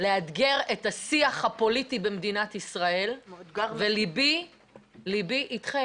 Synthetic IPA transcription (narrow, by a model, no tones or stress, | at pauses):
lead̪ɡe̞ʁetasiaχhapo̞litibemd̪inatisʁae̞lvelibi | libiʔitχe